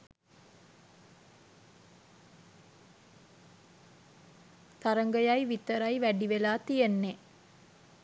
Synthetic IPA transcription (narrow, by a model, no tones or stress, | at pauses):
t̪aɾəŋɡəjajʋit̪əɾajʋæɖiʋelaːt̪ijənːe